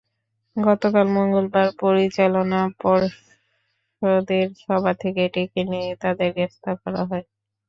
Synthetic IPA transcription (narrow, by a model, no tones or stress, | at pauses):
ɡɔt̪okalmoŋɡolbaɾpoɾit͡ɕalonapɔɾ | ʃod̪eɾʃɔbʱat̪ʰekeeʈekeniet̪ad̪eɾɡest̪akɔɾa̰ɦɔe